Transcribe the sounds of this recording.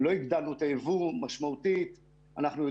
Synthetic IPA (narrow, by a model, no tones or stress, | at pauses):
lo̞iɡd̪alnut̪aevumaʃmaut̪it̪ | anaχnujo